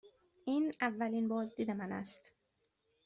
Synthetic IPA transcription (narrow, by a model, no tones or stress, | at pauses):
ʔiːnævːæliːnbɒːzd̪iːd̪e̞mænæ̰st̪